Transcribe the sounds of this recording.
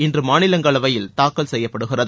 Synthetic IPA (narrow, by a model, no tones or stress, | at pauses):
ɪndrɯmaːnɪlɐŋɡɐɭɐʋɐjɪlt̪aːkːɐlsɛjːɐpːɐɽɯɣɪrɐð